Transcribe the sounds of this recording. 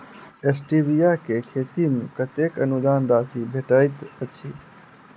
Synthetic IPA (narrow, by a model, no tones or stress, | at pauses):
esʈibijakekʰeːt̪imẽkət̪eːkənud̪aːnd̪aːsibʱeʈait̪ət͡ʃʰiː